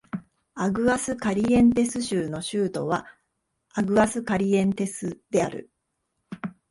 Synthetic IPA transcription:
aɡɯ̟asɨkaɾʲiẽ̞nt̪e̞sɨɕɨːno̞ɕɨːt̪o̞β̞a | aɡɯ̟asɨkaɾʲiẽ̞nt̪e̞sɨd̪̥e̞aɾɯ̟̰

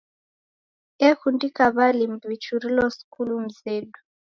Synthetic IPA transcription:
ɛkundikaβalimbwit͡ʃuɾilɔsi̥kʰulum̩zeːɗu

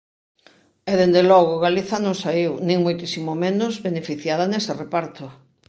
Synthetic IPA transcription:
ɛðend̪elɔɣʊɣaliθɐnõŋsaiwnĩŋmojt̪isimomenʊzβenefiθjaðaneserepaɾt̪ʊ

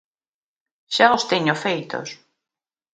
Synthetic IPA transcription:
ʃaost̪eɲofejt̪o̰s

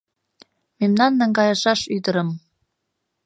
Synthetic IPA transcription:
memnɑnːəŋɡɑjɤəʃɑʃyd̪əɾə̆m

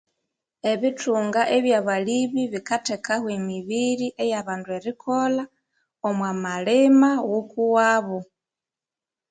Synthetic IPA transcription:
e̞βitʰuːŋɡaʔeβjaβaliβiβikate̞kaɣwemiβiɾiʔejaβaːndue̞ɾikʰo̞la | omwamalemawukuwaβu

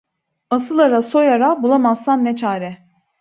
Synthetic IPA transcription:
asɯlˠaɾaso̞jaɾabulˠamasːanːɛt͡ʃʰaːɾɛ

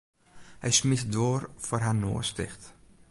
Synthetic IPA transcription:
hɛjsmɪtdoːrfoːrɦano̰ːəstɪ̰χt

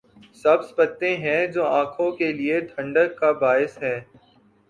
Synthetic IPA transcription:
sɐbspɐt̪ːẽɦɛ̃d͡ʒoːãːkʰõkelieʈʰɐ̃ɳɖəkːabaːɪsɦɛ̃ː

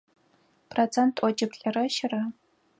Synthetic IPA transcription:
pʰrot͡sʰentʰʼʔʷɔt͡ʃʼɪpɬʼɐrɐʃɪrɐ

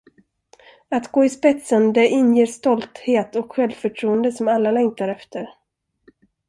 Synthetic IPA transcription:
at̪ɡoːɪspɛt̪sənd̪ɛʔɪnjeːʂt̪ɔlt̪heːt̪ɔkɧɛlvfœʈʰɾuːənd̪əsɔmalːalɛŋk̚t̪aɾɛft̪ʰəɾ

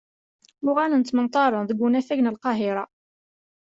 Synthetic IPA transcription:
mʊʁælənt̪mənt̪ˤːɑɾˤənðəɡʷːunæfæʝnəlqɑɦɪɾˤɑ

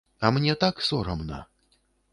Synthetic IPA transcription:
ɐmnʲɛt̪aksɔɾɐmnɐ̰

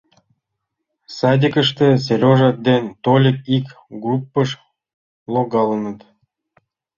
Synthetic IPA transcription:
sɑd̪ʲikə̆ʂt̪ĕsʲeɾʲoʐɑt̪̚d̪ent̪olʲik̚ik | ɡrupːəʃ | lˠoɡɑlˠənə̆t̪

